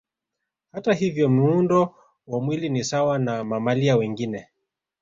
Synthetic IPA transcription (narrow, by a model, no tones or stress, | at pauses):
hataɦivjɔm̩undɔ | wamwilinisawanamamaliawɛŋɡinɛ